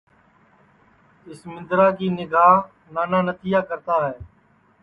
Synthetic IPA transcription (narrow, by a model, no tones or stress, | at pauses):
ɪsmɪ̃nd̪ɾaːkiːnɪɡaːɦ | naːnaːnət̪iːjaːkəɾt̪aːɦɛː